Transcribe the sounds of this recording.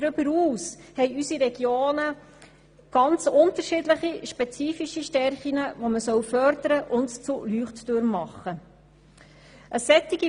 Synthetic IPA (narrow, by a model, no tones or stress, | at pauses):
dɾʏbəɾuːshɛɪysiɾɛɡ̥joːnə | ɡ̥ɑnt͡sʊntəɾʃiːdləχiʃpɛt͡siːfiʃiʃtɛɾχiŋəvoməsœwfœɾdəɾəʔʊntt͡sulyːχtd̥øɾmmːɑχːə | ʔəsɛt̪ːiɡi